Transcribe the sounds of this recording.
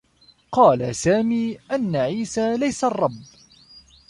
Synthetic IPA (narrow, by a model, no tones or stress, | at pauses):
qɑːlasaːmiːʔanːaʕiːsaːlajsarˤːɑbː